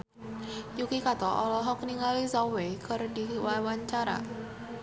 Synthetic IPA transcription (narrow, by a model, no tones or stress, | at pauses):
jukikat̪ɔʔɔlɔɦɔk̚niŋalisɔwekərdiwawaɲt͡ʃaɾa̰